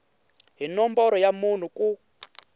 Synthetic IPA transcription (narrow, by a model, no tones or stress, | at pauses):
ɦinɔmbɔɾɔjamun̤uku